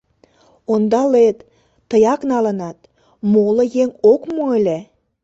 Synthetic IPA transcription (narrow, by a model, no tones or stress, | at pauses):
ond̪ɑlet̪ː | əjɑknɑlənɑt̪ | moləjeŋokmoelʲe